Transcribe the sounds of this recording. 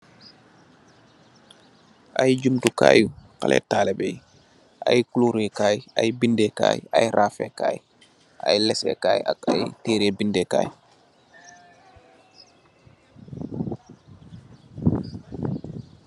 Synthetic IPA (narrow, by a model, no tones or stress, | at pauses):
ʔajid͡ʒumtukaːjukalʔɛ̰taːlɛbɛj | ʔajkuluɾɛkaːjiʔajibindɛka̰ːjḭʔajɾʔaːfɛkaːji | ʔa̰jlɛsɛ̰kaːjiakajitɛːɾɛbindɛka̰ːji